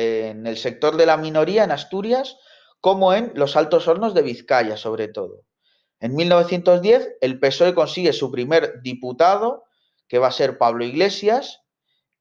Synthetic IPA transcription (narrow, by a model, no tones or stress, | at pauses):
ene̞lse̞k̚t̪o̞ɾðe̞lamĩno̞ɾiae̞nast̪uɾjas | ko̞moe̞nlo̞salt̪o̞so̞ɾno̞zðe̞β̞iθkaʝaso̞β̞ɾe̞t̪o̞ðo̞̰ | e̞nmilnoβe̞θje̞nt̪o̞zðje̞θe̞lpe̞so̞e̞ko̞nsiɣe̞supɾime̞ɾd̪iput̪að̞o̞ | ke̞β̞ase̞ɾpaβlo̞iɣle̞sjas